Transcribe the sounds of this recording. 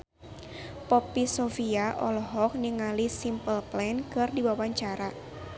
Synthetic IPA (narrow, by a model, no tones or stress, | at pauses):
pɔpisɔfiaʔɔlɔɦɔk̚niŋalisimpəlplɛnkɨrdibawaɲt͡ʃaɾa